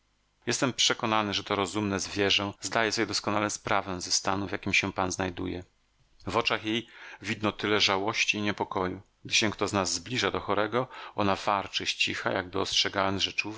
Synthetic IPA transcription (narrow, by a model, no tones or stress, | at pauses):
jɛst̪ɛmpʂɛkɔnanɘʐɛt̪ɔɾɔzumnɛzvʲjɛʐɛ̃zd̪ajɛsɔbʲɛd̪ɔskɔnalɛspɾavɛ̃zɛst̪anuvʲjakʲimɕɛpanznajd̪ujɛ̰ | vɔt͡ʂaxjejvʲid̪nɔt̪ɘlɛʐawɔɕt͡ɕiːɲɛpɔkɔjuɡ̚d̪ɘɕɛkt̪ɔznazːblʲiʐad̪ɔxɔɾɛɡɔɔnav̥aɾt͡ʂɘɕt͡ɕixa̰jaɡ̚bɘɔstʂɛɡawɛmʐɛt͡ʂu